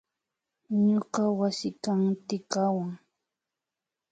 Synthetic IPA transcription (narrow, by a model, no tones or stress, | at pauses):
ɲoqɑwasɪkamt̪ɪkawaŋ